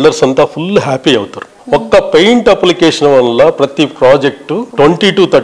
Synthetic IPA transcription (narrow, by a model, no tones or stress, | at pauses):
ɭɖɐɾsɐnt̪ɐpʰulːɦaːpiɐːɡut̪ɐɾu | ɔkːɐpejɳʈɐplikeːʂɐnɐʋɐnlːɐpɾɐt̪ipɾaːd͡ʒek̚ʈuʈʋeɳʈiʈuːt̪ʰɐ